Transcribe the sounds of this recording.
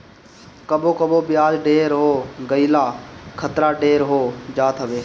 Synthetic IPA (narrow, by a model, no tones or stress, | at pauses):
kəboːkəboːbɪjaːd͡ʒɖeːɾɦoːɡəilaːkʰət̪ɾaːɖeːɾɦoːd͡ʒaːt̪ʰɦəʋeː